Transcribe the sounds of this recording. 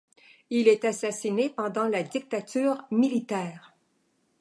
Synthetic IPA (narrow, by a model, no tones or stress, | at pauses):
ilɛt̪asasinepɑ̃d̪ɑ̃lad̪ik̚t̪at̪ʰyːʁmilit̪ɛːʁ